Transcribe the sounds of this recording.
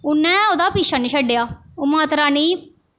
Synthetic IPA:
ʊnːɛ̃ːoːd̪aːpiːʃaːnĩːʃəɖjaːoːmaːt̪ɾaːniː

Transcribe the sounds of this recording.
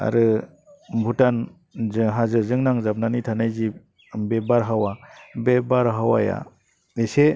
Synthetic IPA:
a̰ɾɯ | bʱutan | zɦazɯzɯŋnaŋzap̚nanitʰanajzi | bebaɾɦawabebaɾɦawaja̰ | ese

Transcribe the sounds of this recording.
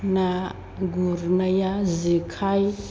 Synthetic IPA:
na | ɡuɾnajazikʰaj

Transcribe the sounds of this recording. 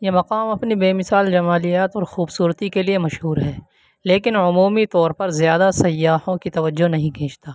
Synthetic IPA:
jemɐqaːmɐpnibeːmɪsaːld͡ʒɐmaːlijaːt̪ɔːɾxuːbsuːɾət̪ikeliemɐʃɦuːɾɦɛː | leːkɪnʊmuːmit̪ɔːɾpɐɾzjaːd̪asɐjːaːhõkit̪ɐʋəd͡ʒːonɐɦĩkʰẽːt͡ʃt̪aː

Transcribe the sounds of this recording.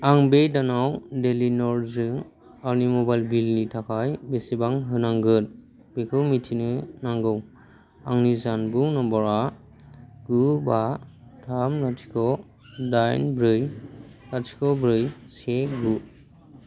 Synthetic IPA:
aŋbejdanawdelinɔɾzɯ | aɾnimɔbajlbilnitʰakʰajbesibaŋɦɯnaŋɡɯn | b̥ekʰɯwmitʰinɯnaŋɡɯw | aŋnizanbuŋnabɔɾa | ɡ̥ɯbatʰamlatʰi̥kʰɔ | dajnbɾɯj | latʰi̥kʰɔbɾɯjsekɡu

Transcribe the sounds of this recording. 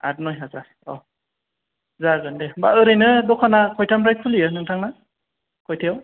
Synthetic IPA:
a̰ɾnɔjɦaza | ɔ̰ | zaɡɯndebaɯɾɯjnɯdɔkʰanakʰɔjtʰamɾajkʰuliɯnɯŋtʰaŋna | kʰɔjtʰejaw

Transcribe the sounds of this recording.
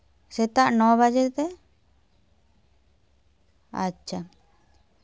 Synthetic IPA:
sɛt̪aʔnɔbad͡ʒeɾt̪ɛ | a̰t͡ʃːʃʰa

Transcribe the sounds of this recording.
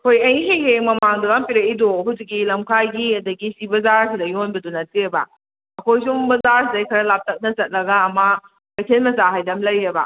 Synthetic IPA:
ɐkʰojɐjɦejheŋmɐmaŋdɐɡampiɾɐidoɦuzik̚ːilɐmkʰajɡiɐdɐɡisibɐzaɾsidɐjonbɐdunɐt̚iebɐ̰ | ɐkʰojs̬uŋbɐzaɾsidɐjkʰɐɾɐlap̚tɐk̚nɐsɐt̚lɐɡaːmɐ | pɐjtʰelmɐzaɦajdɐmlɐjebɐ̰

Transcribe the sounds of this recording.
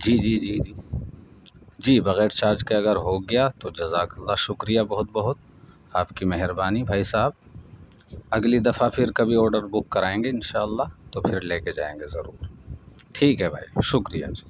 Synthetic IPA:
d͡ʒiːd͡ʒiːd͡ʒiːd͡ʒiː | d͡ʒiːbɐɣɛːɾt͡ʃaːɾd͡ʒkeɐɡəɾɦoɡɐjat̪od͡ʒɐzaːkɐlːaʃʊkɾijabɐɦʊt̪̚bɐɦʊt̪̚ | aːpkimɛɦɾbaːnibʱaːisaːɦəb̚ | ɐɡlid̪ɐfapʰɪɾkɐbʱiɔːɾɖəɾbʊkːɐɾaːẽːŋɡeɪnʃaːəlːat̪opʰɪɾleːked͡ʒa̰ːḛ̃ːŋɡezɐɾuːɾ | ʈʰiːkɦɛbʱaːiʃʊkɾija̰d͡ʒi̥ː

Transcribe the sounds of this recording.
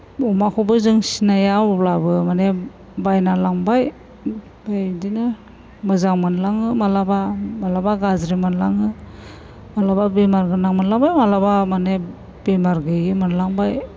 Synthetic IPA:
ɔmakʰɔbɯzɯŋsinajawɔplabɯmane | bajnalaŋbaj | bajdinɯ | mɯzaŋmɯnlaŋɯmalabamalabaɡazɾimanlaŋɯ | malababemaɾɡɯnaŋmanlaŋbajmalabamane | b̥emaɾɡɯjɡimɯnlaŋbaj

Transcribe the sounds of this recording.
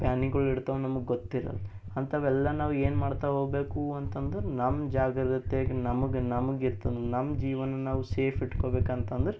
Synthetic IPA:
pjaːniɡɐɭiɽt̪ɐʋnɐmɐɡeɡot̪ːiɾɐ̰l | ɐnt̪ɐʋɛlːɐnaːʋueːnmaːɽt̪ɐɦoːɡbe̞ːkuɐnt̪ɐnd̪ɐɾenɐmːd͡ʒaːɡɾd̪ɐt̪eːɡenɐmɐɡenɐmɐɡiɾt̪ɐnd̪nɐmːɐd͡ʒiːʋɐnɐnaːʋuseːpʰiʈkoːbe̞ːkɐnt̪ɐnd̪ɐɾe

